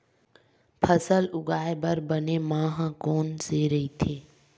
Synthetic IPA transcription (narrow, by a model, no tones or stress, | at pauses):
pʰəsəlʊɡaːebəɾbənemãːɦãkoːnseɾəɦit̪ʰeː